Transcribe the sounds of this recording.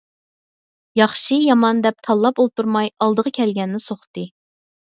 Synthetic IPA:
jɑχʃijɑmɑnd̪ɛp̚t̪ʰɑlˠːɑpolˠt̪uɾmɑjɑlˠd̪əʁɑkʲʰɛlɡʲɛnːɪsoχt̪ɨ

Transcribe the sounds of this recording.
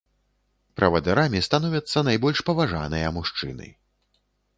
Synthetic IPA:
pɾɐvɐd̪ɛɾamʲist̪anɔvʲɐt̪sːɐnajbɔlʲʂpɐvaʐa̰nɐjɐmuʂt͡ʂɨ̰nɨ̰

